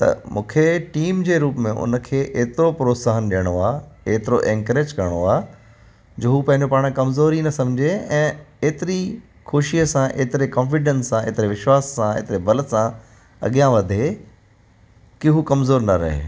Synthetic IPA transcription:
t̪ɐ̰mṵ̃ːkʰeʈiːmd͡ʑeːɾuːpmẽʔʊ̰nə̆kʰeːʔeːt̪ɪɾopɾoːsaːɦənɗijəɽ̃oaːeːt̪ɪɾoʔẽːŋkɾeːd͡ʑkɐɾəɽ̃oaː | d͡ʑoːɦupɐ̃ɦɪ̃ɲd͡ʑopaːɽ̃kɐmzoːɾinɐsɐ̃md͡ʑʱeɛ̃ːeːt̪ɪɾi | kʰoːʃiəsãʔeːt̪ɪɾekɔ̃ːnfɪɖənsːãeːt̪ɪɾeʋɪʃwaːsːãḛːt̪ɪɾebɐlət̪sã | ɐ̰ɠijãʋɐd̪ʱe | kiɦukɐmzoːɾnɐɾɐ̰ɦḛː

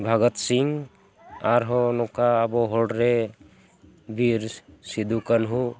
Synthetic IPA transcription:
bʱaɡɔt̪siŋ | aɾɦɔnɔkaːbɔɦɔɖɾe | bʱiɾsid̪ʱukənɦu

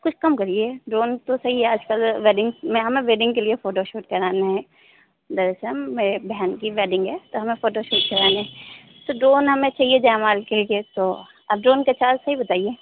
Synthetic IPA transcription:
kʊt͡ʃʰkɐmkɐɾieɖɾoːnt̪osɐɦiɦɛɐd͡ʒkəlʋeːɖɪ̃ŋɡmẽɦɐmẽʋeːɖɪ̃ŋɡkeliefoːʈoʃoːʈkɐɾaːneɦɛ̃ | d̪ɐɾesɐmːebɛɦənkiʋeːɖɪ̃ŋɡɦɛt̪oɦɐmẽfoːʈoʃoːʈ̚kɐɾaːneɦɛ̃ | t̪oɖɾoːnɦɐmẽt͡ʃaːɦied͡ʒaːmaːlkeɡet̪o | ɐb̚ɖɾoːnket͡ʃaːlsɐɦibɐt̪aːieː

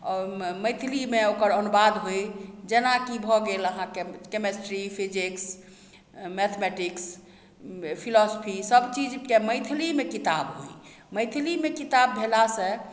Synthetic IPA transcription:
ɔməjt̪ʰlimeokəɾənubad̪ɦojd͡ʒenakibʱɔɡeləɦãkekemesʈɾipʰid͡ʒiks | mɛt̪ʰmɛʈiks | pʰilɔsopʰisəbt͡ʃid͡ʒkeməjt̪ʰilimekit̪abɦo̰j | məjt̪ʰlimekit̪abʱelasẽ

